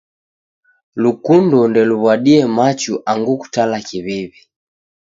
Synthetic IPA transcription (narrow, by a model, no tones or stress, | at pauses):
lukundɔndɛluβwaɗiɛmat͡ʃuʔaŋɡuku̥talakiβiβi